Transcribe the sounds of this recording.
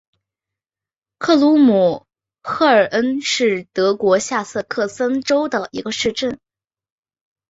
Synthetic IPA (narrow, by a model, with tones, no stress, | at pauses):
kʰɤ˥˩lu˧˥mu˨˩ | xʰɤ˥˩ə˞˨˩ʔə˥nʂɻ̩˥˩t̪ɤ˧˥kwɔ˧˥ɕja˥˧sɤ˥˧kʰɤ˥˩sə˥nʈ͡ʂo˥ʊd̪ə˨i˧˥ɡə˧ʂɻ̩˥˧ʈ͡ʂə˥˩n